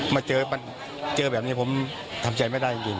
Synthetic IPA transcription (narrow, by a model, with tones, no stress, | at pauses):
maː˧t͡ɕɤː˧pa˧n | t͡ɕɤː˧bɛː˨˩p̚niː˦˥pʰo˩˦m | t̪ʰa˧mt͡ɕa˧jma˥˩da˥˩t͡ɕi˧ŋt͡ɕi˧ŋ